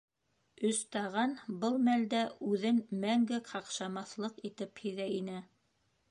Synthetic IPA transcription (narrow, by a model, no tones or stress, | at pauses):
ɵ̆st̪ɑʁɑnbɤlˠmæld̪æʉðɘnmæŋɡɘqʰɑqʃɑmɑθlˠɤqit̪ɘphĭðæinɘ